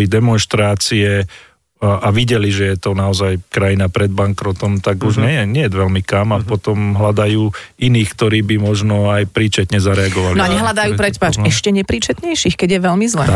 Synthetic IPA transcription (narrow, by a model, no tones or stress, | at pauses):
lid̪ɛmɔnʃt̪ɾaːt͡siɛ | ʔaʋiɟɛliʒɛjɛt̪ɔnaɔzajkɾajinapɾɛd̪̚baŋkɾɔt̪ɔmt̪aɡuʒɲɛjɛɲɛɛd̪ʋɛlmikamapɔt̪ɔmɦlad̪ajuː | iniːxkt̪ɔɾiːbimɔʒnɔajpɾiːt͡ʃɛt̪ɲɛzaɾɛaɡɔʋalinɔaɲɛɦlad̪ajuːpɾɛtpaːt͡ʃɛʃcɛɲɛpɾiːt͡ʃɛt̪ɲɛjʃixkɛɟjɛʋɛlmizlɛ̰